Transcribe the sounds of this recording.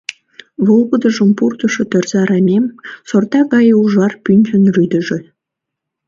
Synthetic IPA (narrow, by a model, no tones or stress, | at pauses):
βolˠɣəd̪əʒəmpurt̪əʃot̪ørzɑɾɑmʲemsort̪ɑɣɑjuʒɑrpynʲd͡ʒə̆nryd̪ə̆ʒĕ